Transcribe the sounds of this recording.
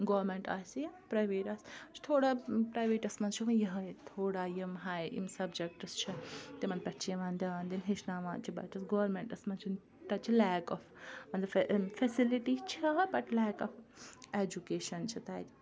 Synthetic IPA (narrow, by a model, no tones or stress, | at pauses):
ɡoːɾmeɳʈa̰ːsijɐpɾaːʋeːʈaːst͡ʃʰi̥t̪ʰoːɽaːpɾaːjʋeːʈɐsmɐnt͡ʃʰiɐnjɐɦɐt̪ʰoːɽaːjimɦaːjḭmsɐbd͡ʒek̚ʈɐst͡ʃʰit̪imɐnpʲɐʈt͡ʃʰijɐʋãːnd̪iaːnd̪inɦeʃnaːʋãːnt͡ʃʰibɐ̰t͡ʃɐsɡoːʋɐɾmẽɳʈɐsmɐnt͡ʃʰin | t̪ɐt͡ʃʰilɛːkɔfmɐnlɐfʰɛsiliʈit͡ʃʰɐbɐʈlɛːkɔfeːd͡ʒukeːʃɐnt͡ʃʰit̪aːjt̪